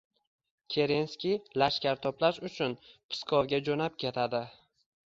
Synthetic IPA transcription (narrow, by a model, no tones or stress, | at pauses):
kʲʰe̞ɾenskʲilaʃkʲaɾt̪ʰɒplaʃʊt͡ʃʰʊnpʰɪ̥skʰɒvɡʲad͡ʒonap̚kʲʰe̞t̪ʰad̪ɪ